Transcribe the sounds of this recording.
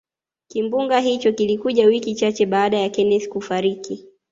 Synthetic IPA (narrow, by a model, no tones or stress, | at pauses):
kimbuŋɡaɦit͡ʃɔkilikuʄawikit͡ʃat͡ʃɛɓaːɗajakɛnɛθkufaɾiki